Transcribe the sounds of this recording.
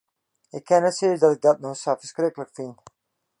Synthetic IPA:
ɪkʰːɛnɛtsiːdɑtɪk̚dɔt̚nosafə̥skɾɪkələkfɪnt

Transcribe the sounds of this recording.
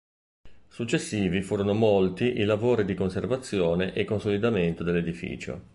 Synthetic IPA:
sut͡ʃːesːiːvifuːɾonomolt̪iʔilavoːɾid̪ikonservat̪sːjoːneʔekːonsolid̪ament̪od̪elːed̪ifḭːt͡ʃo̰

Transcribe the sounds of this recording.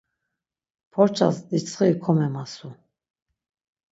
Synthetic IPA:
pʰɔɾt͡ʃʰʼa̰sd̪it͡sʰʼχikʰɔmɛmasu

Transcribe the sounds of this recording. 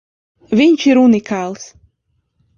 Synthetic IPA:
vinʲt͡ʃiɾunikʰalˠs

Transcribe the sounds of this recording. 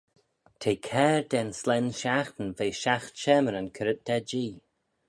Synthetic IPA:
t̪ʰeːkʰɛːɹd̪ɛnslɛnʃaxt̪ən̩veːʃaxtʃɛməɾənkʰəɾət̪̚d̪̥ɛd͡ʒiː

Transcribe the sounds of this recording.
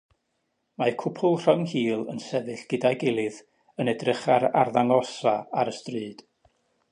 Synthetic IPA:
makʰʊpʰʊlˠr̥əŋhiːlˠənsɛvɨɬɡ̥ədaɡɪlˠɨð | ənɛdrəχaɾa̰rðaŋɔsaaɾəstrɨːd̥

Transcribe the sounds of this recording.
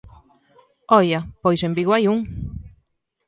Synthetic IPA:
ɔjɐpojsembiɣwajuŋ

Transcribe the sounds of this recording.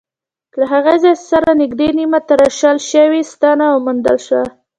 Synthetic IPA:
laɦaɣazɑssaɾanɪɡd̪enimat̪aɾaʃɑlʃəwist̪ɑnawmund̪əlʃwa

